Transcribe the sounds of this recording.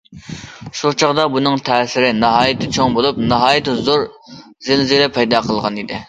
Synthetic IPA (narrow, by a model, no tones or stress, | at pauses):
ʃut͡ʃʰɑʁd̪ɑbunɨŋt̪ʰɛːsɪɾɪnɑɦɑːjɪt̪ʰɪt͡ʃʰoŋbolˠup̚nɑɦɑːjɪt̪ɪzoɾ | zɪlzɪlɛpʰɛjd̪ɑːqʰəlˠʁɑnid̪ɪ